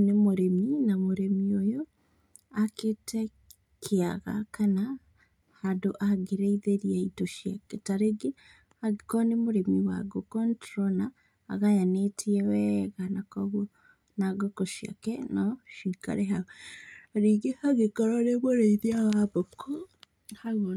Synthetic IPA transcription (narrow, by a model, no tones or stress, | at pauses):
nemoɾeminamoɾemiojo | aketɛ | kʰeaɣa̰kana | hadoʔaɡeɾeiðeɾiaitoʃjakɛtaɾeɡe | hakɔnemoɾemiwa̰ɡokɔntɾɔna̰ː | ɣajanetʰiɛwɛɣanakɔɣwo | naɡokɔʃja̰kɛnɔʃika̰ɾɛɦa | aɾiɡehaɣekɔɾɔɾeβoɾeiðiawaβokʰɔ | ha